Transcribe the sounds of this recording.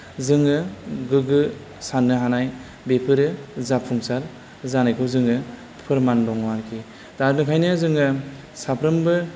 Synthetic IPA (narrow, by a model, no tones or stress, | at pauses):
zɯŋɯɡɯɡɯ | sanːɯɦanaj | bepʰɯɾɯzapʰuŋsal | zanajkʰɯwzɯŋɯ | pʰɯɾmandɔŋwaɾkʰi | d̥aɾpnɯkʰajnɯzɯŋɯ | sapʰɾɯmbɯ